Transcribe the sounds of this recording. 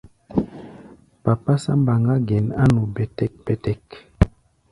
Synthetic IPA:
pa˨pa˦sa˦m˦ba˨ŋɡa˦ɡɛ˨na˦nu˨bɛ˨tɛ˦k̚b̥ɛ˨tɛ˦k

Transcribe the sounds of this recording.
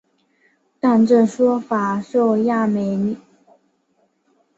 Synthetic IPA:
t̪a˥˧nʈ͡ʂɤ˥˩ʂwɔ˥fa˨˩˦ʂo˥˧ʊja˥˩me˧˥ɪni˨˩˦

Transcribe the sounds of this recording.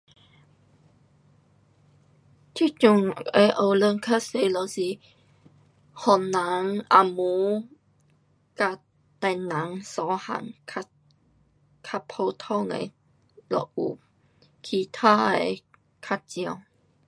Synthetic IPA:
t̪ʰi˥t͡ɕu˧˨ŋe˨˧˩ʔo˧wlə˧ŋkʰa˥se˧lɔ˨˧˩si˧˦ | hɔ˨˩na˨˦ŋa̰˨mu˨˦ | ka˧ | t̪ɛ˧˩na˨˦ŋsɔ˨˦ha̰˨ŋkʰa˧ | kʰa˧pʰo˧t̪ʰɔ˥˧˨ŋə̰˨˧˦ | lɔ̰˨ʔṵ˨ | kʰi˧˩t̪ʰaː˦˥e˨˧˨ | kʰa˧˥t̚t͡ɕi˧ə˧˨w

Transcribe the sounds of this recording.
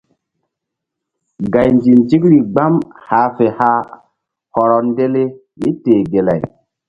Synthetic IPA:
ɡa˨jnd͡ʒi˨nti˦kɾi˨ɡ͡ba˦mhaː˨˦fe˨ha˦ | hɔ˨ɾɔ˨nde˦le˦ | mi˦teː˨ɡe˨la̰˨j

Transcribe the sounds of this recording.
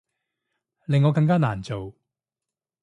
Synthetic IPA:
lɪ˨ŋːɔː˨˧kɐ˧ŋk̬aː˥naː˨˩nt͡so˨w

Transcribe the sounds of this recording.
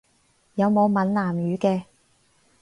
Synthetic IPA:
jɐ˨˧wmo˨˧wmɐ˨˥nlaː˨˩mjyː˨˧kɛː˧

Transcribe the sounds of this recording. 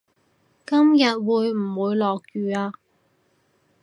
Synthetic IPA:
kɐ˥mjɐ˨t̚wuː˨˧jm̩˨˩wuː˨˧jlɔː˨k̚jyː˨˧aː˧

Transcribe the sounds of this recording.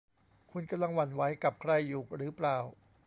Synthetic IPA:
kʰu˧nka˧mla˧˩ŋwa˧˩nwa˦˥jka˨˩p̚kʰɾa˧˩jːuː˨˩k̚ɾɯː˩˦plaː˨˩w

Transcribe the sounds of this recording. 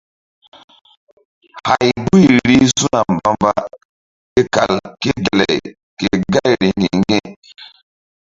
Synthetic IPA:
ha˨jbu˦jɾi˦su˦na˨m˨ba˦mba˦ | ke˦ka̰˨lke˦de˨lɛ̰˨j | ke˨ɡa˦jɾi˨ŋɡi˨ŋɡe˦

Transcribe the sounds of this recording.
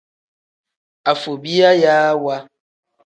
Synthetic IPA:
a˨fo˨bi˦a˦jaː˦wa˦

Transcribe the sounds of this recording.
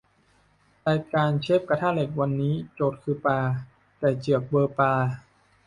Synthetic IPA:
laː˧jkaː˧nt͡ɕʰe˦˥˩p̚ka˧t̪ʰaː˥˩le˨˩k̚wa˧nːiː˦˥t͡ɕoː˨˩t̪̚kʰɯː˧paː˧ | t̪ɛː˨˩t͡ɕɯ˨˩ək̚bɤː˧paː˧

